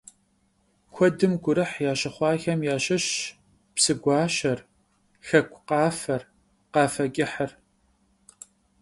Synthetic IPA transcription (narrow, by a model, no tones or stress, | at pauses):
kʷʰɔdɨmɡʷʊɾɨħjaːʃɐχʷɑːxɐmjaːɕɐɕ | psɨɡʷɑːɕɐr | xɐkʷʰʼqɑːfɐr | qɑːfɐkʲʼɪħər